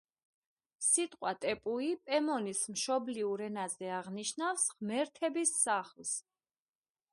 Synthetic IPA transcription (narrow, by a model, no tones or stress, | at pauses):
sit̪ʼqʼwat̪ʼɛpʼuipʼɛmɔnismʃɔbliuɾɛnazɛaʁniʃnafsʁmɛɾt̪ʰɛbisːaχls